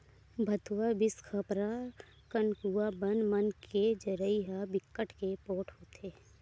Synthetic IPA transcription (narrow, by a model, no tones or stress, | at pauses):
bʱət̪ʰuwabɪskʰəpɾa | kənkuabənmənked͡ʒəɾəiɦabɪkːəʈʰkepoːʈʰɦoːt̪ʰeː